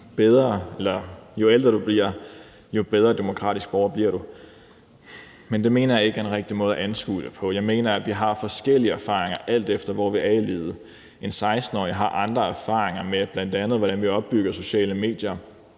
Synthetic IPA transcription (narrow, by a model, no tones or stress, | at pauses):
b̥eð̞ˠʁɐelɐjo̝eld̥ʁɐd̥ub̥liɐ̰ | jo̝b̥eð̞ˠʁɐd̥emo̝kʰʁɑ̰̈ːd̥isɡ̥̚b̥ɒʊɐb̥liɐ̰ɾu | mend̥e̝me̝ːnɐjɑ̈e̝ɡ̥əenʁɛɡ̥̚d̥imɔ̽ːð̩ˠæʔænsɡ̥ṵd̥əpʰɒ̽jɑ̈ɪme̝ːnɐæʋiɦɑ̈fɒ̽sɡ̥el̰iəæɐfɑ̰̈ːʁeŋɐʔæl̰d̥efd̥ɐʋɒʋiʔɛlḛːð̞̩ˠə | ʔe̝nsɑ̈ɪsd̥n̩ɒ̰ːiɦɑ̈ʔɑ̈nd̥ʁɐæɐfɑ̰̈ːʁeŋɐmeb̥læn̰d̥ænð̩ˠʋɒɾ̥ænʋiɒ̽b̥ːyɡ̥ɐso̝ɕɛ̰ːləme̝̰ːd̥jɐ